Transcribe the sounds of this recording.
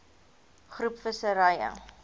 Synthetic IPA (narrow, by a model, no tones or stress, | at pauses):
χrupfəsəɾɐjə̰